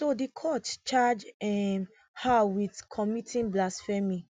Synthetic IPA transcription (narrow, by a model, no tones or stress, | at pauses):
sodikʰɔtt͡ʃad͡ʒɛm | hawitkʰɔmitʰĩnblasfɛmĩ